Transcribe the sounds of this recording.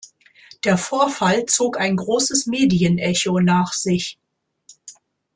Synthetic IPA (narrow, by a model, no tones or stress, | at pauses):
d̥eːɐfoːɐfalt͡soːkaɪnɡʁoːsəsmeːdiənʔɛçonaːχz̥ɪç